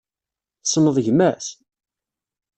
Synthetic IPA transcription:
θsnəðˤʝmæs

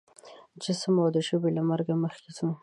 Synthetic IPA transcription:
d͡ʒəsəmawd̪əʃəbelamaɾɡaməxkezəm

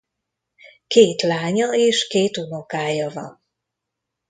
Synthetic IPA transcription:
keːt̪laːɲɒeːʃkeːt̪unokaːjɒvɒ̰n

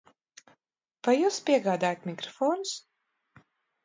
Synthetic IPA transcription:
v̥ajuːspʲiɛɡaːd̪aːjat̪ʲmʲikɾɔfɔːnus

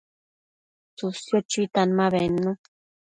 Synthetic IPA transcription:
susjot͡ʃit̪anmãβenːũ

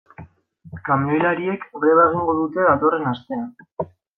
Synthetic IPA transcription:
kamojlaɾie̞kβeβaɣ̞iŋɡo̞ð̞ut̪e̞ðat̪o̞re̞nast̪e̞an

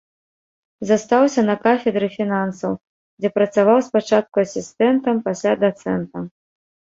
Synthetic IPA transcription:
zɐst̪awsʲɐnɐkafʲɛd̪ɾɨfʲinansɐw | d͡zʲɛpɾɐt̪savawspat͡ʂat̪̚kuɐsʲist̪ɛnt̪ɐmpasʲlʲad̪at̪sɛnt̪ɐ

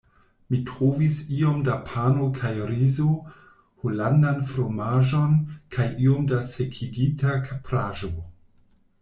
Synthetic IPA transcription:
mitɾovisio̞mdapʰanokʰajɾizo | holandanfɾomaʒo̞nkʰajʔio̞mdase̞kʰiɡitakʰapɾaʒo

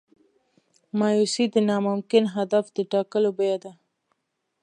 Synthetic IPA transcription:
mɑjusid̪ənɑmʊmkɪnɦad̪afd̪əʈɑkəlobajad̪a

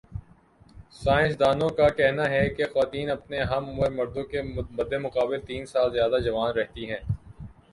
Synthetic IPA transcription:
saːɪ̃nsd̪aːnõkakɛɦnaɦɛkexʋaːt̪iːnɐpneɦɐmemɐɾd̪õkebɐd̪emʊqaːbɪlt̪iːnsaːlzjaːd̪ad͡ʒɐʋaːnɾɛɦt̪iɦɛ̃ː

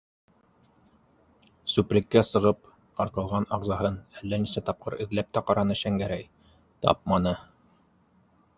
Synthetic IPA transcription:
sʉpɾʲɘ̆kːæsɤ̆ʁɤp | qɑɾqɤ̆lˠʁɑnɑʁzɑɦɤnælːænisæt̪ɑp̚qʰɤɾɘ̆ðlæp̚t̪æqɑɾɑnɤʃæŋɡæɾæj | t̪ɑ̰p̚mɑnɤ

